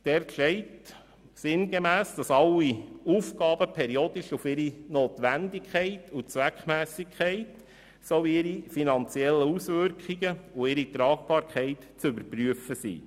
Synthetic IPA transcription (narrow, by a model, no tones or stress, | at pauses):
d̥ɛrtʃɛɪt | sɪnɡemæːsd̥ɑsɑlːiuːfkɑːbəpʰɛɾioːd̪ɪʃufɪɾinoːt̪ʋændɪkχɛɪtʰut͡sʋækχmæːsɪkʰɛɪt | soviɪɾifinɑnt͡siɛlːəusʋʏɾkχiɡəʊɪɾit̪ɾɑːk̚b̥ɑːɾkχɛɪt | t͡sʏbəɾpɾyəfəsḭː